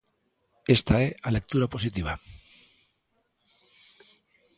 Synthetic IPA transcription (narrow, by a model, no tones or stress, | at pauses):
e̞st̪aealek̚t̪uɾapo̞sit̪iβ̞a